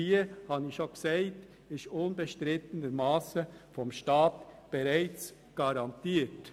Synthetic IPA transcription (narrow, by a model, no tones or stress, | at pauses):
iːəhɑnɪʃoksɛɪt | ɪʃʊnbɛʃtɾɪtənəɾmɑːsəfɔmʃtɑːtb̥ɛɾæɪt͡s | ɡ̥ɑɾɑntiːt